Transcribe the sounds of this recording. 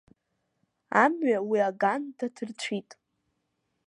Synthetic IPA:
amɥawiaɡandatʰɨrt͡ɕʷʰitʼ

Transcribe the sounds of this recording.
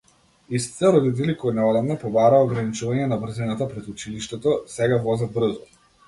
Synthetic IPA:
ist̪i̥t̪ɛɾɔd̪it̪̬ɛlikɔnɛɔlavnapɔbaɾaɔɡɾanit͡ʃuvaɲɛnabr̩zinat̪apɾɛt̪ut͡ʃiliʃt̪ɛt̪ɔsɛɡavɔzad̪̚br̩zɔ

